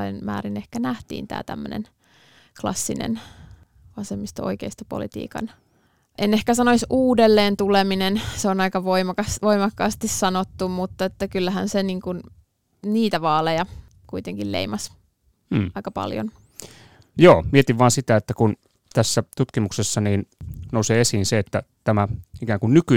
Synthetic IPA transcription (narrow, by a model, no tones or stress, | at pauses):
ɑinmæ̰ːɾinehkænæht̪ḭːnt̪æ̰ːt̪æ̰mːø̰nḛn | klɑ̰sːinḛn | ʋɑsemːist̪oo̰ikeist̪ɑpo̰lit̪ḭːkɑ̰n | ʔenehkæsɑnoisuːdelːeːnt̪uleminenseonɑikɑʋoimɑkɑsʋoimɑkːɑːst̪issɑnot̪ːummut̪ːɑet̪ːækylːæɦænseniːŋkun | niːt̪æʋɑːlejɑ | kuit̪eŋkillḛimɑs | ɑikɑpɑ̰ljo̰n | joːmiet̪iʋʋɑːnsit̪æet̪ːækun | t̪æsːæt̪ut̪kimuksesːɑniːnnoˑuseːesiːnseet̪ːæt̪æmæikæːŋkunnyky